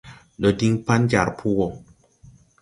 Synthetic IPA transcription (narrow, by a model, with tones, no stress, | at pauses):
ɗɔ˨di˦ŋpa˦n˦d͡ʒa˨ɾpʰu˦wɔ˨